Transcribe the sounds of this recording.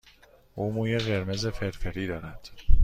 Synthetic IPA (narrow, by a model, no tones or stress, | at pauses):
ʔuːmuːjeɣeɾmezefeɾfeɾiːd̪ɒːɾæd̪̥